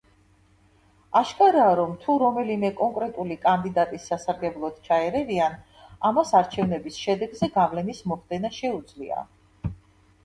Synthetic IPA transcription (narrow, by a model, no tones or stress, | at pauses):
aʃkʼaɾaːɾɔmt̪ʰuɾɔmɛlimɛkʼɔŋkʼɾɛt̪ʼulikʼand̪id̪at̪ʼisːasaɾɡɛblˠɔd̪̥t͡ʃʰaɛɾɛvian | amasaɾt͡ʃʰɛvnɛbisʃɛd̪ɛɡzɛɡavlɛnismɔχd̪ɛnaʃɛud̪zlia̰